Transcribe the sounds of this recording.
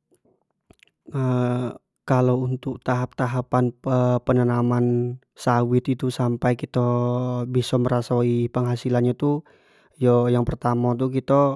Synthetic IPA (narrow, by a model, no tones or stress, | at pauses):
ə | kalowunt̪ʊk̚t̪aɦap̚t̪aɦapanəpənənaman | sawɪt̪it̪usampajkit̪ɔbisɔməɾasaipəŋɦasilanɲat̪u | jɔjaŋpərt̪amat̪̬ukit̪ɔ